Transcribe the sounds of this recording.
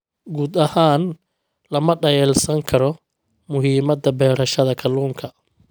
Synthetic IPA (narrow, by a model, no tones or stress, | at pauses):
ɡuːd̪ɐhaːn | lɐmɐɖɐjɛːlsɐŋkʰɐɾɔ | mʊɦiːmɐd̪ɐbɛːɾɐʃɐðɐkʰɐluːŋkʰɐ